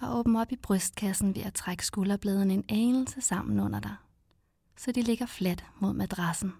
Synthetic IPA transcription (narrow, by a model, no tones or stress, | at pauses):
ɑʔɔ̽ːb̥n̩ɒ̽b̥ib̥ʁœsd̥̚kʰæsn̩ʋe̝ʔæt͡sʰʁaɡ̥ə̥sɡ̥ulɐb̥lɛːð̞ˠən̩e̝neːnl̩səsɑ̈m̰n̩ɔ̽n̰ɐd̥ɑ̈ɪ | sɒd̥ile̝ɡ̥ɐfled̥mo̝ð̰ˠmæd̥ʁɑ̈sn̩